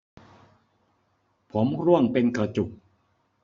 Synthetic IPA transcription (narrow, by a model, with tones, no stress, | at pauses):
pʰo˩˦mɾu˥˩əŋpe˧nka˧˩t͡ɕu˨˩k̚